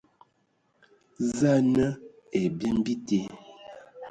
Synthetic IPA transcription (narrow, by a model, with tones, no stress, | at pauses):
za˦˨nə˦ | e˨bjɛ˦m˦bi˦te˦